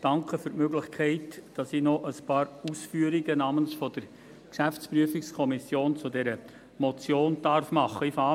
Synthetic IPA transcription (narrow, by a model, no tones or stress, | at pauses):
d̥ɑŋkχəfʏɾtmøɡlɪχkʰɛɪtd̥ɑsinɔʔəspɑːɾusfyːəɾiɡənɑːmənsfɔd̥əɾ | kʃæft͡spɾyəfikskʰɔmisjoːnt͡sʊdɛɾə | mɔt͡sjoːnd̥ɑɾfmɑχːəifɑː